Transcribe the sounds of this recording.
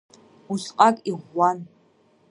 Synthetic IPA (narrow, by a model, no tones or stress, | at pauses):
uɬqʼakʼiʁʷːan